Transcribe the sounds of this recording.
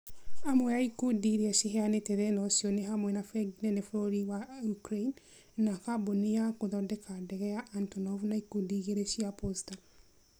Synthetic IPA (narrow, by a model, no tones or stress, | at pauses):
amwɛaikudiɾiɛʃiɦɛanetɛðɛnɔʃjɔneɦamwɛnafɛɡinɛnefoɾoɾiwaukɾein | nakaboniakoðɔdɛkadɛɣɛjaʔantɔnɔvnaikudiɣeɾeʃiaposta